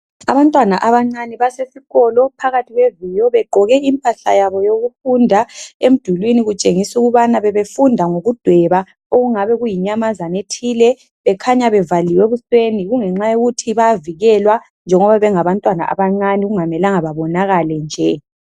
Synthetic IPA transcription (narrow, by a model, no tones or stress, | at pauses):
aβantʼwanaʔaβaŋ͡ǀaniβasesiɣɔlɔpʰaɣatʰiɣwevijɔβɛɡ͡ǃʱɔɣɛimpʼaɬa̰jaβɔjoɣufundʱaem̩d̥ʱulwiniɣut͡ʃʼeŋisuɣuβanaβɛβefundʱaŋoɣud̥ʱwɛβa | oɣuŋaβɛɣujiɲamazanetʰiːlɛ | βɛkʰaɲaβɛvaliweβusweniɣuŋɛŋ͡ǁajoɣutʰiβaaviɣɛlwa | nd͡ʒʱɛŋɔβaβɛŋaβantʼwana̰ʔa̰βaŋ͡ǀaniɣuŋamɛlaŋaβaβɔnaɣalɛnd͡ʒʱɛ